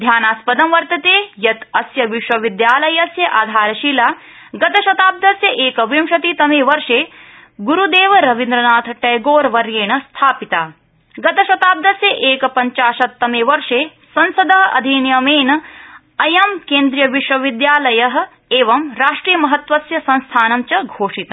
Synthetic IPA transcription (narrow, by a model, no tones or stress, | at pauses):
d̪ʱjaːnaːspɐd̪ɐmʋɐɾt̪ɐt̪eːjɐt̪ɐsjɐʋiʃʋɐʋid̪jaːlɐjɐsjɐʔaːd̪ʱaːɾɐʃiːlaː | ɡɐt̪ɐʃɐt̪aːb̚d̪ɐsjɐʔeːkɐʋimʃɐt̪it̪ɐmeːʋɐɾʂeː | ɡuɾud̪eːʋɐɾɐʋind̪ɾɐnaːt̪ʰɐʈɐjɡoːɾʋɐɾjeːɳɐst̪ʰaːpit̪aː | ɡɐt̪ɐʃɐt̪aːb̚d̪ɐsjɐʔeːkɐpɐɲt͡ʃaːʃɐt̪ːɐmeʋɐɾʂeː | sɐnsɐd̪ɐɦɐɐ̰d̪ʱiːnjɐmeːnɐ | ɐjɐmkeːnd̪ɾijɐʋiʃʋɐʋid̪jaːlɐjɐɦɐ̆ | eːʋɐmɾaːʂʈɾiːjɐmɐɦɐt̪ʋɐsjɐsɐ̃nst̪ʰaːnɐmt͡ʃɐɡʱoːʂit̪ɐ